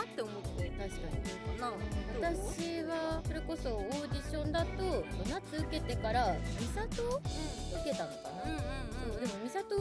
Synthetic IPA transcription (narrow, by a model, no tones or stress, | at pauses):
at̪ːe̞omo̞t̪ːeit̪aɕi̥kaɲ̟ikanãot̪aɕiβaso̞ɾe̞ko̞so̞oːd͡ʑʲiɕõ̞nd̪at̪o̞onat͡sːɨɯ̟ke̞t̪e̞kaɾamʲisat̪o̞ɯke̞t̪ãŋoka̰nasoːd̪e̞mo̞mʲisat̪o̞